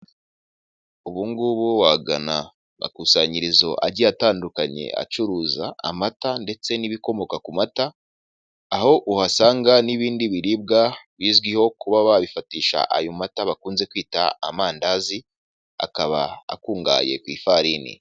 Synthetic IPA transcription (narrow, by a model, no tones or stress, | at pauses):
uβuːŋɡuβuwaɡana | a̰kusaɲiɾizo̞ʔa̰ɟiataːndukaɲe̞̰a̰t͡ʃuɾuːza̰ːmatande̞t͡se̞niβiko̞mo̞kakumataː | ho̞ʔuhasaːŋɡaniβiːndiβiɾib̚ɡaβiːzɡwiho̞kuβaβaβifatiːʃa̰ʔajomataβakuːnze̞kwiːta̰amaːndazi | a̰kaβa̰a̰kuːŋɡa̰ːje̞̰kwiːfaɾinḭ